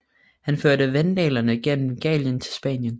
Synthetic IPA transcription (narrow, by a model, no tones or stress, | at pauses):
hænføɐ̰ɾəʋend̥ḛːlɐnəɡ̥en̰m̩ɡ̥ɛ̰ːljənt͡sʰe̝lsb̥ɛ̰ːnjən